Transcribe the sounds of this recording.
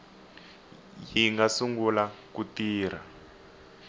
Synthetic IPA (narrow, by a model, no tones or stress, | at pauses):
jiŋɡasuŋɡulakutiːr̤a̰